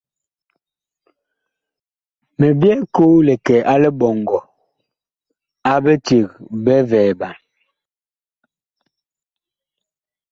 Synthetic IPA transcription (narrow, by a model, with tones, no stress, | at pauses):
mɛ˨bjɛ˦ko˦lɛ˨kɛ˨ʔa˦lɛ˦bɔ˨ŋɡɔ˨ | a˦bɛ˦te˨k̚bɛ˦vɛː˨ba˨n